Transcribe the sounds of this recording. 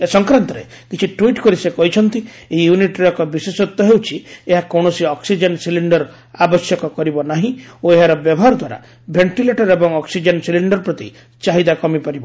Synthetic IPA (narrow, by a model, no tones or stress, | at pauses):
esɔŋkɾant̪ɔɾḛ | kit͡ʃʰiʈwiʈkɔɾisekɔɦit͡ʃʰɔnt̪i | eijuniʈɔkɔbisesɔt̪ːɔɦewt͡ʃʰieɦakɔwɽ̃ɔsiɔksid͡ʒensiliɳɖɔɾ | abɔsjɔkɔkɔɾibɔnaɦĩoeɦaɾɔbjɔbɔɦaɾɔd̪waɾa̰ | bʱeɳʈileʈɔɾebɔŋɔksid͡ʒensiliɳɖɔɾpɾɔt̪i | t͡ʃaɦid̪akɔmipaɾibɔ